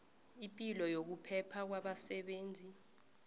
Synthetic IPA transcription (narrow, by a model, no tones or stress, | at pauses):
impʼilɔjok̬upʰɛpʰak̬waɓasɛɓeːnd͡zʱi